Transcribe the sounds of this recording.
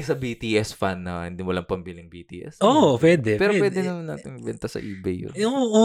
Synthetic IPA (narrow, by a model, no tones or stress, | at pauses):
sɐbit̪iːʔɛsfanːɐhɪnd̪imʊlɐŋpɐmbilɪŋbit̪ḭːʔɛ̰sʔoopwɛd̪ɛpɛːɾopwɛːd̪ɛnɐmɐnːa̰ːt̪ɪnɪbɛnt̪ɐsɐ̰ʔiːbɛjʊ̰jʊŋʔuː